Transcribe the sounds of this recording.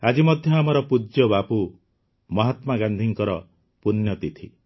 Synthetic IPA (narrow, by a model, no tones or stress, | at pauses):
ad͡ʒimɔd̪ʱjɔamɔɾɔpud͡ʒjɔbapu | mɔɦat̪maɡand̪ʱiŋkɔɾɔ | punjɔt̪it̪ʰi